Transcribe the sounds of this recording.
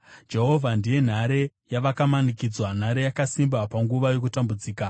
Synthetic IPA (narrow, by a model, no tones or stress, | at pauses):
d͡ʒe̞ɦo̞vʱandije̞n̤aɾe̞jaʋakamanikid͡zwan̤aɾe̞jakasimbapaŋɡuʋajo̞kutambud͡ziːka